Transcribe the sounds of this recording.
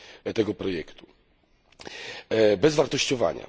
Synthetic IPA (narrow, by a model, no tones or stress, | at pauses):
t̪ɛɡɔpɾɔjɛkt̪u̥ | bɛzvaɾt̪ɔɕt͡ɕɔva̰ɲa̰